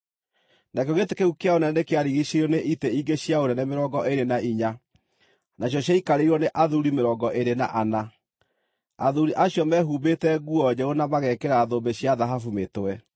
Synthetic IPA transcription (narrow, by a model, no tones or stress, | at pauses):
nakoɣetekeukeaonɛnekeaɾiɣiɕeɾoneʔiteiɡeɕjaoɾɛnɛmeɾɔɡɔʔeɾenaiɲa | naɕjɔɕjaikaɾeiɾwɔneʔaðuɾimeɾɔːɡɔʔeɾena̰ʔana | a̰ðuɾiʔaɕjɔmɛɦuːbetɛɣuɔd͡ʑɛonamaɣɛkeɾaðombeɕjaðaɦafumetoɛ